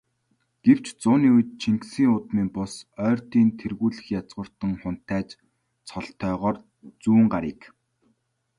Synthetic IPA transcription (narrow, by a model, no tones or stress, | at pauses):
ɡ̥ew̥t͡ɕt͡sʊːniːujt̪̚t͡ɕʰiŋksiːŋʊt̪miːmpʊsœːrt̪iːnt̪ʰerɣuːɮɘ̆xjat͡sʁə̆r̥t̪ə̆ŋχʊn̥t̪ʰæːt͡ɕ | t͡sʰɔɮt̪ʰœːʁɔːr | t͡suːŋɢaɾiːk